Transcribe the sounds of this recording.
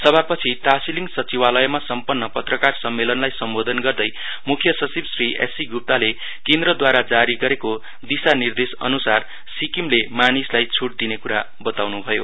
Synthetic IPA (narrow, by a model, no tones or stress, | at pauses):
sʌbʱapʌt͡sʰiʈasiliŋɡsʌt͡siwalʌjʌmasʌmpʌnːʌpʌt̪rʌkarsʌmːelʌnlajsʌmbod̪ʱʌnɡʌrd̪ʌj | mukʰjʌsʌt͡sibsriʔesiɡup̚t̪ale | kend̪rʌd̪waɾad͡zaɾiɡʌɾeko | d̪isanird̪esʌ̰nusar | sikimlemanislajt͡sʰuʈ̚d̪inekuɾa | bʌt̪awnubʱʌjo